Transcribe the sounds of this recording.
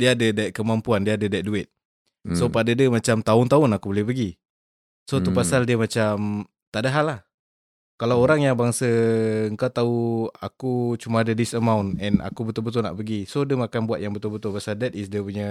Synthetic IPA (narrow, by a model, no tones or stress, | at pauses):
diəːdədaiʔ̪̚kəmampuandiəːdədait̪̚duɪt̪̚ | sopadədiəmat͡ʃamt̪aʊnt̪aʊnakubolɪhpəɡi | sot̪upasaldiəmat͡ʃam | t̪aʔdaɦalːah | kalawoɾaŋjaŋbaŋsəəŋkat̪auakut͡ʃumaːdədisəmawnɛna̰kubət̪ʊlbət̪̬ʊlna̰ʔpəɡisodəŋakanbuwat̪̚jaŋbət̪ʊlbət̪ʊlbasadɛt̪ɪsdiəpuɲə